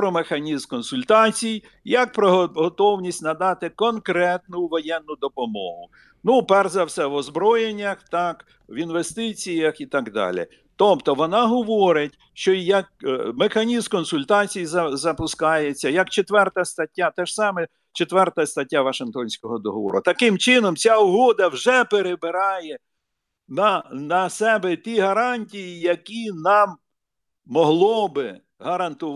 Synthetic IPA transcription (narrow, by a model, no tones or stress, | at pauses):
pɾɔmexɐnʲizmkɔnsʊlʲt̪ɑt͡sʲij | jɐk̚pɾɔɦɦɔt̪ɔwnʲisʲtʲnɐd̪ɑt̪ɪkɔnkɾɛt̪nʊʋɔjɛnːʊd̪ɔpɔmɔ̰ɦʊ | nupɛrzɐwsʲɛʋɔzbɾɔjenʲːɐxt̪ɑk | ʋinʋest̪ɪt͡sʲijɐxit̪ɑɡd̪ɑ̰lʲɪ̰ | t̪ɔpt̪ɔʋɔnɑɦɔʋɔɾɪtʲ | ʃt͡ʃɔjɐk̚mexɐnʲizmkɔnsʊlʲt̪ɑt͡sʲijzɐzɐpʊskɑjet͡sʲːɐjɐkt͡ʃet̪ʋɛrt̪ɐst̪ɐtʲːat̪ɛʒ̥sɑmɛ | t͡ʃet̪ʋɛrt̪ɐst̪ɐtʲːaʋɐʃɪŋkt̪ɔnʲsʲkɔɦɔd̪ɔɦɔʋɔ̰ɾʊt̪ɐkɪmt͡ʃɪnɔmt͡sʲaʊɦɔd̪ɐwʒɛpeɾebɪɾɑjɛ | nɐnɐsɛbɛt̪ʲiɦɐɾɑnʲtʲijijɐkʲinɑmː | ɔɦlˠɔbɪ | ɦɐɾɐnt̪ʊ